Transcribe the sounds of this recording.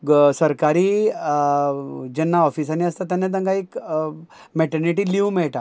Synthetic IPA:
səɾkaɾiː | d͡ʑɛnːaɔfisaniəst̪at̪anːat̪̬ə̃ŋɡaik | mɛʈəɾniʈiːliumɛɭʈa

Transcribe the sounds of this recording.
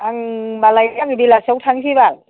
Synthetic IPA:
ʔaŋɓaːləjakiɓilaːsəwt̪ʰaŋt͡ɕʰiɓa̰ːn

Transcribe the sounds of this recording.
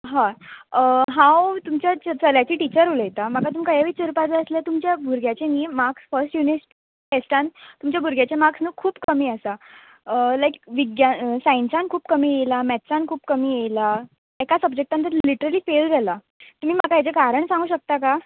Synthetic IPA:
ɦãəɦãwt̪umt͡ɕjat͡səljat͡ɕiːʈit͡ɕəɾuləjt̪am̤akat̪uːmkajaʋiːt͡səɾupat͡seəsljet̪umt͡ɕjabʱuɾɡjat͡ɕeniːmaksfəɾsʈjunisʈ | ʈesʈãnt̪umt͡ɕjabʱuɾɡjat͡ɕemaksnuːkʰuːpkəmiːəsa | lajk̚ʋiɡjasãinsankʰuːpkəmiːjelamɛt̪sãnkʰuːpkəmiːjejla | ɛkasəb̚d͡ʑek̚ʈant̪əɾliʈəɾəliːfeld͡zɛla | t̪um̤iːm̤akajat͡sekaɾəɳsãŋɡuːɕək̚t̪aka

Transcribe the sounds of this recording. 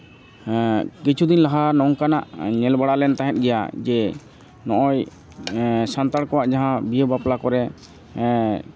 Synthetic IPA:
kit͡ʃʰud̪inlaɦanɔŋkana̰ʔɲɛlbaɽalɛnt̪aɦɛt̪̚ˀɡɛja̰d͡ʒɛ | nɔʔɔj | sant̪aɽkɔwaʔd͡ʒaɦãbijəbaplakɔɾɛ

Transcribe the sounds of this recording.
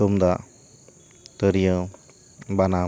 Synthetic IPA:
ɔmd̪aʔ | t̪əɾijə | bana

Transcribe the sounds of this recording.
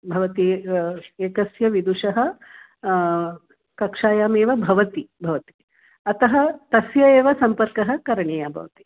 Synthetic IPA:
bʱɐʋɐt̪i | eːkɐsjɐʋid̪uʂɐɦɐ̆ | kɐkʂaːjaːmeːʋɐbʱɐʋɐt̪ibʱɐʋɐt̪i̥ | ɐt̪ɐɦɐt̪ɐsjɐeːʋɐsɐmpɐɾkɐɦɐ̆kɐɾɐɳeːjaːbʱɐ̰ʋɐt̪i̥

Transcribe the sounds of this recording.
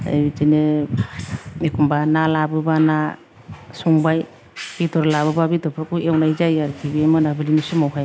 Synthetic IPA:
a̰jitenɯ | mekʰumbanalabɯbana | suŋbaj | b̥itɔɾlabɯbabitɔpʰɾkuewnaizajaɾkʰibiajmɯnabɯlinusɯmawɦaj

